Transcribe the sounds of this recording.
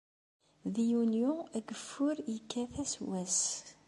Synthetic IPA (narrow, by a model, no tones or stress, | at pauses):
ðijunjʊæɡəfːʊɾjəkːæθæswæs